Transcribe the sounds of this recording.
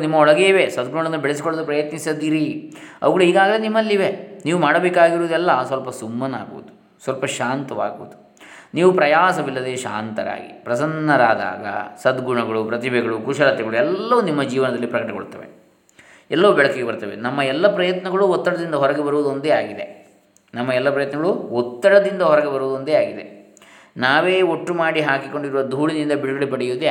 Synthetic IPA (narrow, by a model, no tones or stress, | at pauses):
nimːɐɔɭɐɡeːʋe̞sɐd̪ɡuɳɐɳɐnːubeɭes̬ikoɭɐd̪upɾɐjɐt̪nisɐd̪iːɾiɐ̰ʋɐɡɐɽuiːɡaːɡɐlenimːɐlːiʋeniːʋumaːɽɐbeːkaːɡiɾud̪uɛlːɐsʋɐlpɐsumːɐna̰ːɡṵʋɐd̪u | sʋɐlpɐʃaːnt̪ɐʋa̰ːɡṵʋud̪u | niːʋupɾɐjaːsɐʋilːɐd̪eːʃa̰ːnt̪ɐɾa̰ːɡḭpɾɐsɐnːɐɾaːd̪a̰ːɡɐ̰sɐd̪ɡuɳɐɡɐɭupɾɐt̪̬ibʱɛɡɐɭukuʃɐlɐt̪ːɛɡɐɭuɛlːɐʋunimːɐd͡ʒiːʋɐnɐd̪ɐlːipɾɐkɐʈɐko̰ɽt̪ːɐʋe̞̰ | ɛlːɐʋubɛɭɐkeɡebɐɾt̪ɐʋenɐmːɐɛlːɐpɾɐjɐt̪nɐɡɐɭuɔt̪ːɐɽɐd̪ind̪ɐɦɔɾɐɡebɐɾuʋud̪o̞nd̪eaːɡid̪e̞̰ | nɐmːɐɛlːɐpɾɐjɐt̪nɐɡɐɭuɔt̪ːɐɽɐd̪ind̪ɐɦɔɾɐɡebɐɾuʋud̪o̞nd̪eaːɡid̪e | naːʋeːoʈːumaːɽiɦaːkiko̞ɳɖiɾuʋɐd̪ʱuːɽinind̪ɐbiɽuɡɐɭepɐɽɛjuʋd̪e